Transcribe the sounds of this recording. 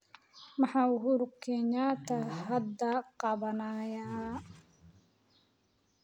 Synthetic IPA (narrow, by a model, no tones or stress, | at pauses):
mɑħɑːuɦʊɾʊkʰːɛɲaːt̪ʰɐɦɐd̪ːɐqɑβɐnaja